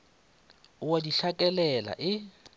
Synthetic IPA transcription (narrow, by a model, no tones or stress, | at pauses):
ʊwadiɬakʼɛlɛla̰ʔɪ